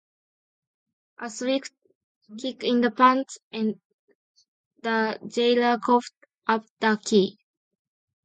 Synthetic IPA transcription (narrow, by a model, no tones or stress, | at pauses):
ʔəsɹik | kʰikĩnd̪əpãntɛ̃n | d̪əd͡ʒeləkʰoft | ʔap̚d̥əkʰi